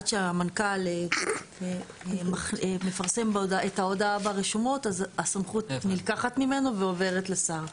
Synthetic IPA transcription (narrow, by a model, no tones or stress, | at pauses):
tʃeamankale | maχme̞faʁse̞mbaodaʔetaodaabaʁeʃumo̞tazasamχut̪nilkaχat̪mime̞no̞veove̞ʁet̪lesaʁ